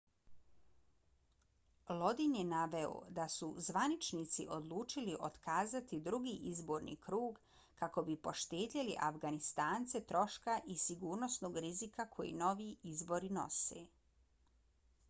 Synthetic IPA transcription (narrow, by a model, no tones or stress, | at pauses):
lo̞d̪injenaʋe̞o̰d̪asṵzʋanit͡ʃnit̪sḭʔo̞d̪lˠuːt͡ʃiliʔo̞t̪kaːzat̪id̪ɾuɡiːʔizbo̞ːɾnḭkɾuːɡ | kako̞bipo̞ʃt̪eːd̪ʎeliʔafɡanist̪aːnt̪se̞t̪ɾo̞ʃkaʔisiɡuːɾno̞snoːɡɾizikakʰo̞jḭno̞ʋiːizbo̞ɾino̞̰sḛː